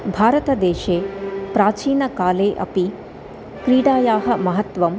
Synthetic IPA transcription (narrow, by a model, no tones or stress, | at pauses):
bʱaːɾɐt̪ɐd̪eːʃeːpɾaːt͡ʃiːnɐkaːleːʔɐ̰pi | kɾiːɽaːjaːɦɐ̆mɐɦɐt̪ʋɐm